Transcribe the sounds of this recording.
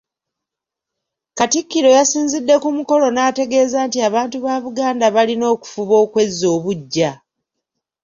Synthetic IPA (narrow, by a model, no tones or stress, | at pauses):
katikːiɾo̞jasiːnzidːe̞kumuko̞lo̞naːte̞ɡe̞ːzaːntiaβaːntuβaːβuɡaːndaβalino̞ːku̥fuβo̞ːkwe̞zːo̞ːβuɟːa